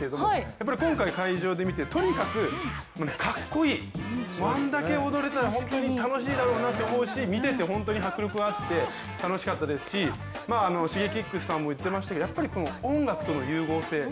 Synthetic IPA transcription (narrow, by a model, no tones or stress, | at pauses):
eɾed̪o̞mojapːaɾʲikõ̞ŋkaikaiʑo̞ːd̪e̞mʲit̪et̪o̞ɲ̟ikakɯ̟ | mone̞kʰakːo̞iː | mãnd̪ake̞o̞d̪o̞ɾe̞t̪aɾaɦõ̞nt̪o̞ɲ̟it̪ano̞ɕiːd̪aɾo̞ːnat̪ːe̞omo̞ɯ̟ɕimʲit̪e̞t̪e̞ɦõ̞nt̪oɲ̟iɦakɯ̟ɾʲɯokɯat̪ːe̞ | t̪ano̞ɕi̥kat̪ːad̪e̞sɨ̥ɕi | maːno̞ɕiɡe̞kʲikːɯ̟sɨ̥sãmːo̞it̪ːe̞masɕi̥t̪akeojapːaɾʲiko̞no̞õŋɡakɯ̥t̪o̞no̞jɯːɡo̞ːse̞ː